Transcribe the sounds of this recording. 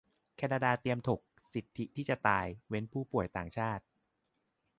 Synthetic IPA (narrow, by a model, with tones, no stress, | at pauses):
kʰɛː˧naː˧daː˧t̪i˧əmt̪ʰo˨˩k̚si˨˩t̪ʰːi˦˥t̪ʰiː˥˩t͡ɕa˨˩t̪aː˧jwe˦˥npʰuː˥˩pu˨˩əjt̪aː˨˩ŋt͡ɕʰaː˥˩t̪̚